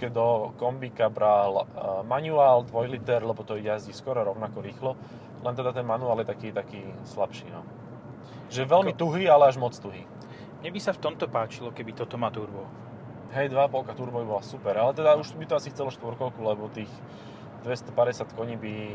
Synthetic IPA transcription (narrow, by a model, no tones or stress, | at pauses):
kɛd̪ɔkɔmbikabɾalmaɲuaːld̪ʋɔjlit̪ɛɾlɛbɔt̪ɔɛjazɟiskɔɾɔɾɔʊnakɔɾiːxlɔ | lɛnt̪ɛd̪at̪ɛnmanuaːljɛt̪akiːt̪akiːslapʃḭːnɔ̰ | ʒɛʋɛlmit̪uɦiːalɛaʒmɔt͡st̪uɦḭː | mɲɛbisaft̪ɔmt̪ɔpaːt͡ʃilɔkɛbit̪ɔt̪ɔmaːt̪uɾbɔ | ɦɛjd̪ʋaːpɔlkat̪uɾbɔibɔlasupɛɾalɛt̪ɛd̪auʃbit̪ɔasift͡sɛlɔʃt̪ʋɔɾkɔʊkulɛbɔt̪iːx | d̪̥ʋɛst̪ɔpaɾɛsat̪kɔɲiːbi